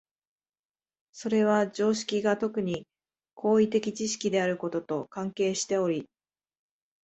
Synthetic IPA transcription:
so̞ɾe̞β̞ad͡ʑo̞ːɕi̥kʲiɡat̪o̞kɯ̟ɲ̟i | kʰo̞ːit̪e̞kʲit͡ɕiɕi̥kʲid̪e̞aɾɯ̟ko̞t̪o̞t̪o̞kãŋke̞ːɕi̥t̪e̞o̞ɾʲi

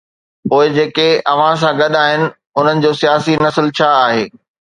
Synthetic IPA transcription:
poːɪd͡ʑeːkeɐʋ̤ãs̬ãɡɐɗaːɦɪnɪ̆ | ʊn̤ənɪ̆d͡ʑoːsijaːsinɐsɪlt͡ɕʰaːɦeː

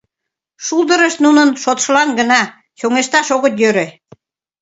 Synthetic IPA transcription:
ʃuld̪ə̆ɾəʃt̪nunənʃot̪ʃəlɑnɡə̆nɑ | ɕoŋeʃt̪ɑʃoɣə̆t̪jøɾe

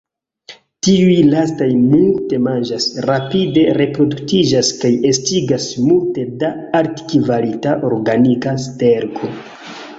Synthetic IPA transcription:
tiujlastajmulte̞mand͡ʒasɾapide̞ɾe̞pɾo̞duktid͡ʒaskaje̞stiɡasmulte̞daːɾtkivalitaʔo̞ɾɡanikaste̞ɾɡo̞

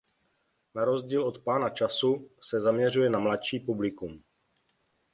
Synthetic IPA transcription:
naɾo̞zɟiːlo̞t̪paːnat͡ʃasusɛzamɲɛr̝ujɛnamlatʃiːpublɪkum

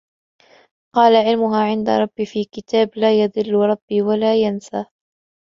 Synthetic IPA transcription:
qɑːlaʕɪlmʊɦaːʕɪnd̪a̰ɾˤɑbːifiːkɪt̪aːblaːjɑd̪ˤɨlːɾˤɑbːiːwalaːjansaː

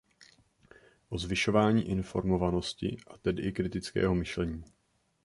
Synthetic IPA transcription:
ʔo̞zvɪʃovaːɲiːʔɪnfo̞̰ɾmo̞vano̞scɪ̰ʔat̪ɛdɪʔɪkɾɪt̪ɪt͡skɛ̰ːɦo̞mɪʃlɛɲiː

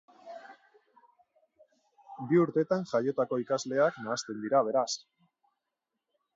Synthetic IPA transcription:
biuɾt̪e̞t̪aŋʝajo̞t̪ako̞ikazle̞aknaːst̪e̞nd̪iɾaβ̞e̞ɾas

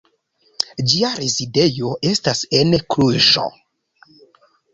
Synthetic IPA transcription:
d͡ʒiaɾezide̞jo̞ʔe̞stasenkɾuʒo̰

